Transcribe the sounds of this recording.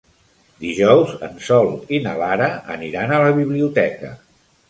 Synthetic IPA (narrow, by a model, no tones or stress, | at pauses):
d̪iʒɔwzə̰nsɔlˠinə̰laɾəə̰niɾanələβiβliut̪ɛkə̰